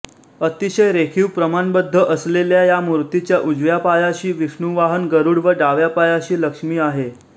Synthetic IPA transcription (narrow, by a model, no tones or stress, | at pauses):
ət̪iɕəjɾekʰiːwpɾəmanbəd̪ʱːəʔəsleljajamuɾt̪it͡ɕjaʔud͡zʋjapajaɕiːʋiʂɳuʋaɦənɡəɾuːɽʋəɖaʋjapajaɕiːləkʂmiːaɦe